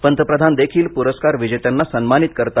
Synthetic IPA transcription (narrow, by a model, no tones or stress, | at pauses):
pənt̪əpɾəd̪ʱand̪ekʰiːlpuɾəskaɾʋid͡ʑet̪anːasənmanit̪kəɾt̪a